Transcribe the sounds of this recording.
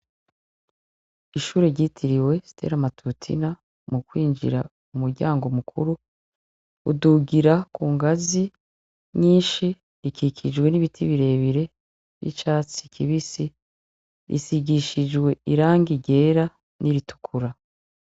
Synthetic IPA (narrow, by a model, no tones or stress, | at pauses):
iʃuːɾe̞ɾɟiːtʰiɾiwe̞stʰe̞̰ɾamatʰutʰḭna | mukwiːnd͡ʒḭɾa̰ | umuɾɟaːŋɡo̞mukʰuɾuː | duɡiɾakuːŋɡazi | ɲiːnʃi | ikikʰid͡ʒwe̞niβitʰiβiɾe̞ːβiɾe̞ | βḭt͡ʃaːt͡si̥kʰiβisi | ḭsiɡiʃid͡ʒɡwe̞iɾaːŋɡiɟe̞ːɾa | niɾitʰu̥kʰuɾa